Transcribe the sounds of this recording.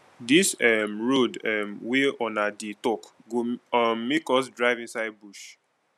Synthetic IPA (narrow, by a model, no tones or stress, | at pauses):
disɛmɹodɛmweɔnaditɔkɡommekɔsdɹaɪvĩnsaɪd̚buʃ